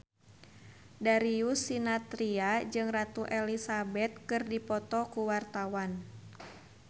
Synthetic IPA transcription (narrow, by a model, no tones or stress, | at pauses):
daɾiusinat̪ɾiad͡ʒɨŋrat̪uʔɛlisabɛt̪̚kɨrdipɔt̪ɔkuwart̪awan